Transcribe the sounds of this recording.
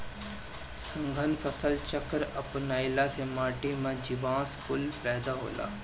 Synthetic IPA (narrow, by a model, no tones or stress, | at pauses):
sə̃ŋɡʱənfʰəsəlt͡ʃəkəɾɐpnaːɪlasemaːʈemãd͡ʒɪʋãːskʊlpɛːd̪aɦo̰ːla̰ː